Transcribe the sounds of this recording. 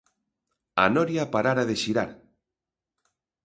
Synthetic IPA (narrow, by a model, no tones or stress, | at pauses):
a̰nɔɾjapaɾaɾaðeʃiɾaɾ